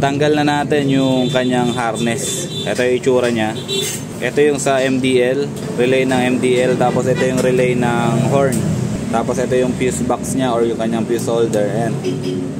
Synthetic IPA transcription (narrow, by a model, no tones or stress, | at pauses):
t̪ɐŋɡɐlnɐnaːt̪ɛnjʊŋkɐɲaŋɦaɾnɛs | ʔɛ̰t̪ojʊŋʔɪt͡ʃuːɾɐɲa | ʔɛt̪o̞jʊŋsɐʔɛmd̪iːʔɛl | ɾɛlɛjnɐŋʔɛmd̪iːʔɛlt̪aːposʔɛt̪ojʊŋɾɛlɛjnɐŋɦoɹnt̪aːposʔɛt̪o̞jʊŋpjusbaksɲaʔoɹjʊŋkɐɲːaŋpjusold̪ɛɹʔɛnd̪